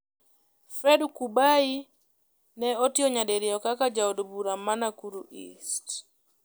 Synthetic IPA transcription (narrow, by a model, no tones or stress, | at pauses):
fɛɗukuɓai | nɛɔtiɔɲaɗɛɾiɔkakad͡ʒaɔdubuɾamanakuɾuʔḭst